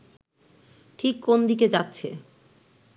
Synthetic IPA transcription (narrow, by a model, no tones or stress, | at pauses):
ʈʰikːond̪iked͡ʑatːɕʰe